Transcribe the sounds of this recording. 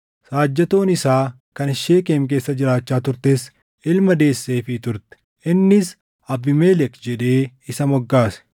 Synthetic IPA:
saːd͡ʒːɛt̪o̞ːnɪsaː | kɐnɪʃeːke̞ːmk̬e̞ːsːɐd͡ʒɪɾaːt͡ʃːaːt̪ʊɾt̪eːs | ɪlmɐd̪e̞ːsːe̞ːfɪt̪ʊɾt̪ɛ̥ | ɪnːɪs | ɐbːɪmeːlɛkd͡ʒɛᶑe̞ːɪsɐmɔɡːaːsɛ̥

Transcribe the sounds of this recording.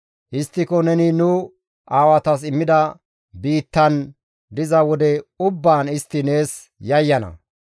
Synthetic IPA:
ʔɪst̪ːɪkɔnɛnɪnʊ | aːwɐt̪ɐs̬ɪmːɪd̪ɐ | biːt̪ːɐn | d̪ɪzɐwɔd̪ɛʊbːaːnɪst̪ːɪne̞ːs | jɐjːɐnɐ̰

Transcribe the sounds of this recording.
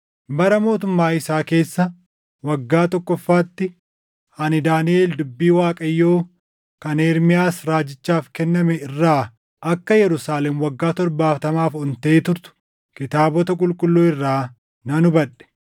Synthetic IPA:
bɐɾɐmo̞ːt̪ʊmːaːɪsaːke̞ːsːɐ | wɐɡːaːt̪ɔkːɔfːaːt̪ːɪ | hɐnɪd̪aːnɪeːld̪ʊbːiːwaːkʼɐjːo̞ː | kɐneːɾmɪjaːsɾaːd͡ʒɪt͡ʃːaːfkɛnːɐmɛɪrːaː | ʔɐkːɐjɛɾʊsaːlɛmwɐɡːaːt̪ɔɾbaːft̪ɐmaːfɔnt̪ɐʔeːt̪ʊɾt̪ʊ̥ | kɪt̪aːbɔt̪ɐk̬ʼʊlkʼʊlːuːɪrːaː | nɐnʊbɐᶑɛ̥

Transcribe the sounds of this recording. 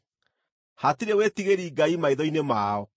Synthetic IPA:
hatiɾewetiɣeɾiːɡaimaiðɔinemaːɔ

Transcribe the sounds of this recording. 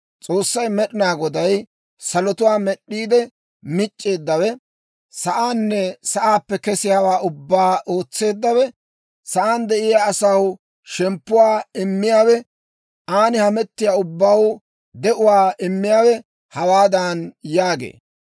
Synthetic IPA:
t͡sʼo̞ːsːɐjmɛɗɪnaːɡɔd̪ɐj | sɐlɔt̪ʊwaːmɛɗːiːd̪ɛ | mɪt͡ʃʼːe̞ːd̪ːɐwɛ | sɐʔaːnːɛsɐʔaːpːɛkɛsɪjaːwaːʊbːaːʔo̞ːt͡sːe̞ːd̪ːɐwɛ | sɐʔaːnd̪ɛʔɪjaːsɐw | ʃɛmpːʊwaːɪmːɪjaːwɛ | aːnɪhɐmɛt̪ːɪjaːʊbːaw | d̪ɛʔʊwaːʔɪmːɪjaːwɛ | hɐwaːd̪ɐnjaːɡḛː

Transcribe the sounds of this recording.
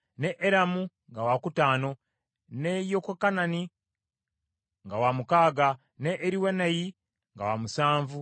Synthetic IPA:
neʔːɾamu | ŋɡawakutaːno̞ | nejokokanani | ŋɡawamukaːɡa | neʔːɾiweneji | ŋɡa̰wamusaːɱvu

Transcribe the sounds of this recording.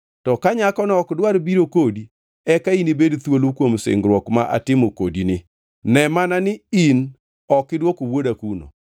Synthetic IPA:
tɔkaɲakɔnɔɔkdwaɾbiɾokodi | ɛkainibedt̪wolukwomsɪ̰ŋɡɾwɔkmaʔa̰tɪmokodinɪ | nɛmananɪin | ɔkɪdwokowodakuno̰

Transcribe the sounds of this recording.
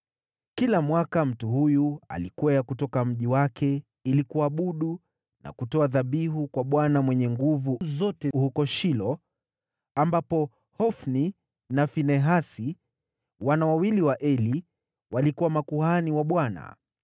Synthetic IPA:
kilamwakam̩tuhujua̰likuwajakutɔkam̩ʄiwakʰɛ | ilikuaɓuɗu | na̰kutɔaðaɓiɦukwaɓwanamwɛɲɛŋɡuvuzɔtɛhukɔʃilɔ | ambapɔ | hɔfni | nafinɛɦasi | wanawawiliwaʔɛli | walikuwamakuhaniwaɓwana̰

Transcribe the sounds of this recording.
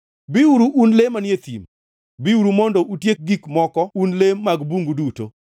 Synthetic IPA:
biuɾuʔunlemanjet̪ḭm | biuɾumɔndɔʔutjek̚ɡikmɔkɔunlemːaɡbuŋɡuduto̰

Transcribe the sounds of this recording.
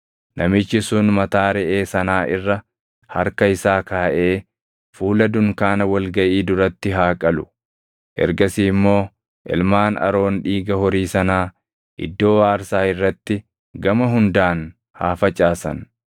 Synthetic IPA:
nʔɐmɪt͡ʃːɪsʊnmɐt̪aːɾɛʔeːsɐnaːʔɪrːɐ | hɐɾkɐɪsaːkaːʔe̞ː | fuːlɐd̪ʊŋkaːnɐwɐlɡɐʔiːd̪ʊɾɐt̪ːɪɦaːkʼɐlʊ̥ | ʔɛ̰ɾɡɐsiːmːo̞ː | ʔɪ̰lmaːnɐ̰ɾo̞ːnᶑiːɡɐhɔɾiːsɐnaː | ʔɪ̰d̪ːo̞ːwaːɾsaːɪrːɐt̪ːɪ | ɡɐmɐɦʊnd̪aːn | haːfɐt͡ʃʼaːsɐ̰n

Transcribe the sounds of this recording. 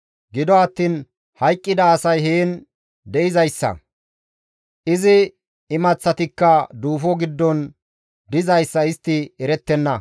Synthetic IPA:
ɡɪd̪ɔɐt̪ːiːn | hɐjkʼːɪd̪ɐːsɐjɦeːn | d̪ɛʔɪzɐjsːɐ̰ | ʔɪzɪ | ɪmɐt͡sːɐt̪ɪkːɐd̪uːfɔɡɪd̪ːɔn | d̪ɪzɐjsːɐɪst̪ːɪɛɾɛt̪ːɛnːɐ

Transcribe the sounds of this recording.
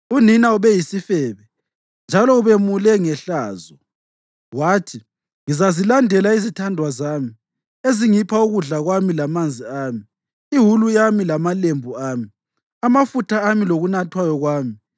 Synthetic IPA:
uninauβɛjisifɛːβɛ | nd͡ʒʱalɔuβɛmulɛŋɛɬaːzɔ | waːtʰi | ŋizazilandʱɛlaizitʰandʱwazaːmi | eziŋipʰauɣuɮaɣwamilamand͡zʱiaːmiː | ɦulujamilamalembʱuaːmi | amafutʰaːmiloɣunatʰwajɔɣwaːmi

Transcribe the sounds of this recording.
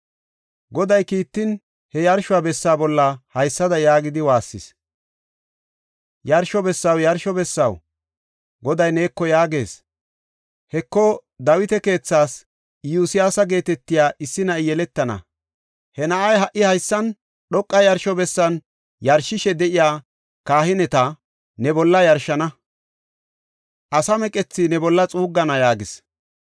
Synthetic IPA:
ɡɔd̪ɐjkiːt̪ːɪn | hɛjɐɾʃʊwabɛsːaːbɔlːɐhɐjsːɐd̪ɐjaːɡɪd̪ɪwaːsːɪ̰s | jɐɾʃɔbɛsːɐwjɐɾʃɔbɛsːɐ̰w | ɡɔd̪ɐjne̞ːkːɔjaːɡe̞ːs | hɛkːɔd̪ɐwɪt̪ɛke̞ːt͡sːaːs | juːsɪjaːsɐɡe̞ːt̪ɛt̪ːɪjaːʔɪsːɪnɐɪjɛlɛt̪ːɐnɐ̰ | hɛnɐʔɐjɦɐʔːɪhɐjsːɐn | ɗɔkʼːɐjɐɾʃɔbɛsːɐn | jɐɾʃɪʃɛd̪ɛʔɪjaː | kaːhɪnɛt̪ɐ | nɛbɔlːɐjɐɾʃɐnɐ | ʔɐsɐmɛkʼɛt͡sːɪnɛbɔlːɐt͡sʼuːɡːɐnɐjaːɡɪs

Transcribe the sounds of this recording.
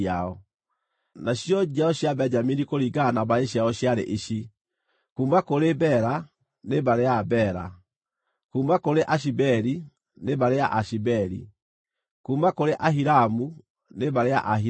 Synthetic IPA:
aɔ | naɕiɔd͡ʒiaɔɕjabɛɲd͡ʒaminikoɾiɡanabaɾeɕiaɔɕjaɾḛʔiɕi | kuːmbakoɾebɛɾa | neβaɾeabɛɾa̰ | kuːmbakoɾeʔaʃ̬ibɛɾi | neβaɾeaʔaʃibɛɾḭ | kuːmbakoɾeʔaɦiɾamu | neβaɾea̰ʔaɦi

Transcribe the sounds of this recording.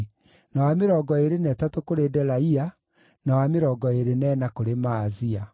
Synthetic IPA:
nawameɾɔːɡɔeɾenɛtatokoɾedɛɾaia | nawameɾɔːɡɔeɾenɛnakoɾemaːzia

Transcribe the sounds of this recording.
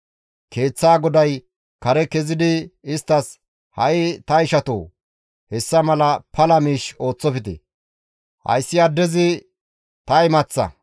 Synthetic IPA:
kʰe̞ːt͡sːaːɡɔd̪ɐj | kɐɾɛkɛzɪd̪ɪɪst̪ːɐs | hɐʔɪt̪ɐɪʃɐt̪o̰ː | hɛsːɐmɐlɐpɐlɐmiːʃo̞ːt͡sːɔfɪt̪ɛ̰ | hɐ̰jsːɪɐd̪ːɛzɪ | t̪ɐjmɐt͡sːɐ̰

